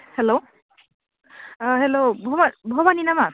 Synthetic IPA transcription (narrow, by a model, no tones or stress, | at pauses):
hɛlo | ɦɛlobʱɔmabʱɔbaninama